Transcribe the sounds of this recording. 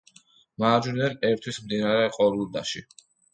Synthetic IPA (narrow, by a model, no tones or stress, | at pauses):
maːd͡ʒuɾid̪ɛnɛɾt̪ʰwismd̪inaɾɛqʼɔɾulˠd̪a̰ʃi